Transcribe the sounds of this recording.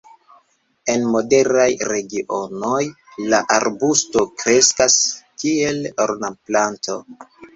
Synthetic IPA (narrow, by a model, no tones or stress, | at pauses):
e̞nmo̞de̞ɾajɾe̞ɡiʔo̞noj | laʔaɾbusto̞kɾe̞skaskie̞loɾnaplanto̞̰